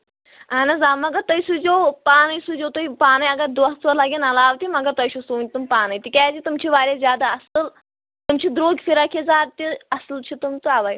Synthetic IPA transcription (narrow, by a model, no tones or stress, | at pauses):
aːnɐzaːmɐɡɐt̪ɐjsud͡ʒoːpaːnɐjsud͡ʒoːt̪uipaːnɐjɐɡɐd̪ut͡solɐɡʲinɐlaːʋt̪imɐɡɐt̪ɐjʃʰusuːnʲt̪umpaːnɐjt̪ʲikʲaːd͡ʒit̪umt͡ʃʰiʋaːɾʲjazʲjaːd̪aɐsɨl | t̪umt͡ʃʰid̪ɾoːɡʲfiɾakʰezaːt̪̚t̪iɐslt͡ʃʰit̪umt͡suaʋaj